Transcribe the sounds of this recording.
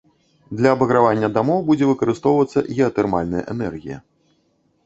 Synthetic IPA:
d̪lʲɐːbɐɣɾavanʲːɐd̪amɔwbud͡zʲɛvɨkɐɾɨst̪ɔwvɐt̪sːɐ̰ɣʲɛɐt̪ɛrmalʲnɐjɐ̰ʔɛ̰nɛrɣʲijɐ̰

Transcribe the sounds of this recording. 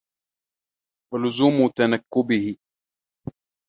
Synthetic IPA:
walʊzuːmʊt̪anakːʊbɪhɪ

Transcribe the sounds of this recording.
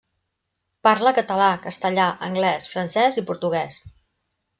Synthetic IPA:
paɾləkət̪əlakəst̪əʎaʔə̰ŋɡlɛsfɾənsɛzipuɾt̪uɣ̞ɛs

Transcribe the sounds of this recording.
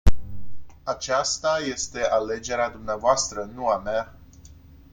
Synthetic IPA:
at͡ʃast̪aje̞st̪e̞ʔale̞d͡ʒe̞ɾead̪umneavoast̪ɾənuamea

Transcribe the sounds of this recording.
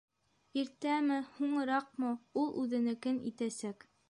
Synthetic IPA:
iɾt̪æmɘhuɴɤ̆ɾɑqmɤulˠʔʉðɘ̆nɘ̆kɘnḭt̪æsæk

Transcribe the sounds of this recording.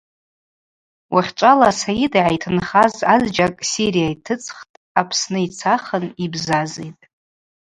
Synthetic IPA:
wʔaχʲʈ͡ʂʷʼalasajidaʕajtʰɨnχazazd͡ʒakʼsiɾijaitʰɨt͡sʼχtʼ | apʰsnɨit͡sʰaχənibzazejtʼ

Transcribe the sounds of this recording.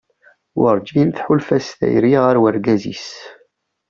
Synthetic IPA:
wəɾˤd͡ʒinθħulfæsθæ̰jɾiʁəɾwəɾɡæzḭs

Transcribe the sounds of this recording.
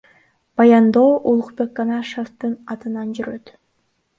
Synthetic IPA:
b̥ɑjɑnd̪o̞ːʔulˠuqbekːɑnɑʃoft̪ɯnɑt̪ɯnɑnd͡ʒyɾø̞t̪

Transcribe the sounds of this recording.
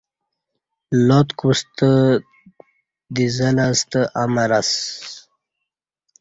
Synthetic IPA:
lot̪kust̪ə | d̪izalast̪əʔamaɾas

